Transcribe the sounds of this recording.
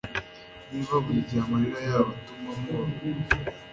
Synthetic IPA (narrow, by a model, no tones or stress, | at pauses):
niβaβuiɟiamaɾiɾajaːβotumamoɾ